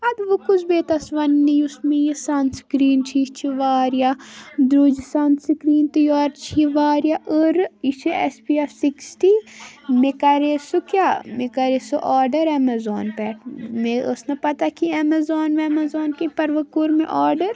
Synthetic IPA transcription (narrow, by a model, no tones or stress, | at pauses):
ɐbʋokut͡ʃʰbeːt̪ɐsʋɐnːijusmejisanskɾiːnt͡ʃʰit͡ʃʰiʋaːɾjad̪ɾud͡ʒsanskɾiːnt̪ijɔːɾt͡ʃʰiʋaːɾjaʔəɾit͡ʃʰiespiefsiksʈimekɐɾesukjaːmekɐɾesoʔaːɾɖɐɾemɐzoːnpɛːʈʰmeɐ̰snɐpɐt̪akiɐmɐzoːnʋemɐzoːnkepɐɾʋɐkuɾmḛ̃ʔaːɾɖɐɾ